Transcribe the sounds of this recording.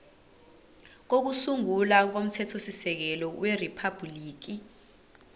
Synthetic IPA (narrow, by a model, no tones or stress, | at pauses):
k̬ok̬usuŋulak̬om̩tʰɛtʰosisɛk̬ɛlɔwʔeripʰab̥ʱliːk̬i